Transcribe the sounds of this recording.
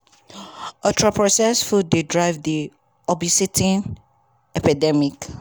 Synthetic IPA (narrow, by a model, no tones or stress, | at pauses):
ɔtʰɹɔpɹɔsɛsfud̚dedɹaɪvdi | ɔbisitʰĩn | ɛpidɛmik